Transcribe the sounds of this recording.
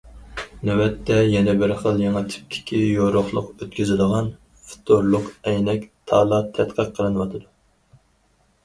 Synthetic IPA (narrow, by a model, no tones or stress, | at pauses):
nɛwɛt̪ʰːɛjɛnɛbɪɾχəlˠjeŋɑt̪ʰɪ̥p̚kʲʰi̥kʲʰijoɾʊχlˠʊqøt̪kʲyzɪd̪əʁɑn | fu̥t̪ʰoɾlˠʊqɛjnɛkʲt̪ʰɑːlˠɑt̪ʰɛt̪qʰəqʰːəlˠɨnwɑt̪ʰɨd̪u